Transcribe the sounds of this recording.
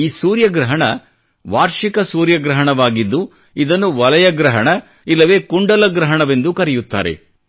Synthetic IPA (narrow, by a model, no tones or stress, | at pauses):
iːsuːɾjɐɡɾɐɦɐɳɐ | ʋaːɾʂikɐsuːɾjɐɡɾɐɦɐɳɐʋaːɡid̪ːu | id̪ɐnːuʋɐlɐjɐɡɾɐɦɐɳɐ | ilːɐʋe̞ːkuɳɖɐlɐɡɾɐɦɐɳɐʋe̞nd̪ukɐɾɛjut̪ːa̰ːɾe̞̰